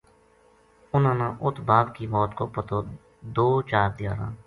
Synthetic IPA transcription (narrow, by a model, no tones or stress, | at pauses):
ʊnãːnãːʔʊt̪ʰbaːd̪kiːbɔːt̪koːpət̪oː | d̪oːt͡ʃaːɾd̪ɪjaːɾã̰ː